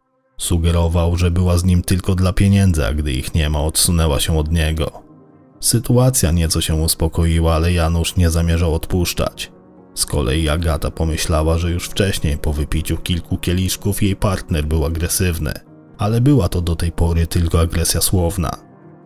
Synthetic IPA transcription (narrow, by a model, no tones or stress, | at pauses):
suɡɛɾɔvawʐɛbɘwazɲimt̪ɘlkɔd̪lapʲjeɲɛnd̪za̰ɡd̪ɘḭxɲɛmaɔt̪sunɛwaɕɛ̃ɔd̪ɲɛɡɔ̰ | sɘt̪uat̪sʲjaɲɛt̪sɔɕɛuspɔkɔjiwaalɛjanuʂɲɛzamʲjɛʐawɔt̪puʂt͡ʂa̰t͡ɕ | skɔ̰lʔɛ̰jiaɡat̪apɔmɘɕlawaʐɛjuʂft͡ʂɛɕɲejpɔvɘpʲit͡ɕukʲilkukʲɛlʲiʂkufjejpaɾt̪nɛɾbɘwaɡɾɛsɘvnɘ̰ | alɛbɘwat̪ɔd̪ɔt̪ɛjpɔɾɘt̪ɘlkɔaɡɾɛsʲjaswɔvna̰